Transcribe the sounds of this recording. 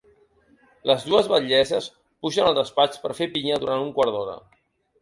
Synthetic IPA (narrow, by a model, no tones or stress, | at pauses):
ləzðuəzβəʎɛzəs | puʒənəlˠd̪əspat͡ʃpəɾfepiɲəðuɾʔant̪uŋkwaɾðɔɾə̰